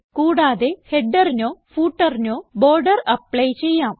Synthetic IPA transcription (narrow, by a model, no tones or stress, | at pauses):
kuːɽaːðeheɖːɐrinoːfuːʈːɐrinoːboːrɖɐrɐpːɭɐjt͡ɕe̞jːaːm